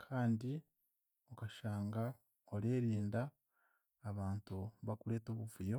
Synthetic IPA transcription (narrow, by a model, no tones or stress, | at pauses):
kʰaːndi | okaʃaːŋɡa | oɾeːɾiːndaː | βaːntuβakuɾe̞ːtoːβuvujo̞